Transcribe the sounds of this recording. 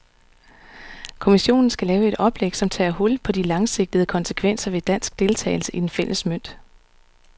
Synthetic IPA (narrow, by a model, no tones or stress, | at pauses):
kʰo̝miɕo̝̰ːnn̩sɡ̥ælɛːʊe̝d̥ɒ̽b̥leɡ̥sɒ̽mt͡sʰɛ̰ːhɔ̽lpʰɒ̽d̥ilɑ̈ŋse̝ɡ̥̚d̥əð̩ˠəkʰɒ̽nsə̥kʰʋen̰sɐʋe̝d̥æn̰sɡ̥d̥e̝lt͡sʰɛ̰ːɪl̩səʔid̥enfel̰əsmøn̰d̥